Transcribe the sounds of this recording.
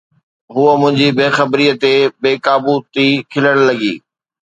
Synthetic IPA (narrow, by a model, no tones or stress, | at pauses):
ɦuəmʊ̃ɦɪ̃ɲd͡ʑibeːxɐbɾiːət̪ebeːkaːbut̪ikʰɪləɽ̃lɐɡḭː